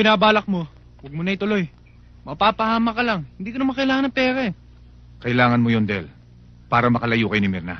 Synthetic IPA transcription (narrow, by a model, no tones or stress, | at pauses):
bɪnaːbaːlɐk̚mo̞ | wɐɡ̚mʊnɐjt̪ʊlo̞j | mɐpaːpɐhaːmɐkɐlaŋhɪnd̪iːkɐnɐmɐkɐɪlaːŋɐnɐpɛːɾaɛ | kɐʔɪlaːŋɐnmojond̪ɛɛl | paːɾɐmɐkɐlɐjuːkɐjonɪmɪɾna̰